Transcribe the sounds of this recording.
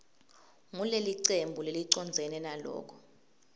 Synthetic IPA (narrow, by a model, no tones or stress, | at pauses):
ŋuleliǀembʱuleliǀɔnd͡zʱɛnɛnalɔ̰ːk̬ʰɔ̥